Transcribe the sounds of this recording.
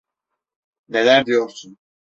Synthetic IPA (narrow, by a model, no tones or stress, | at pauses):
nelæɾd̪ijo̞ɾsun